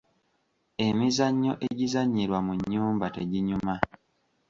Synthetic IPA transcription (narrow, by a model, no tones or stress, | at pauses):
e̞mizaɲːo̞̰ʔe̞ɟizaɲːiɾwamuɲːuːmbate̞ɟiɲuma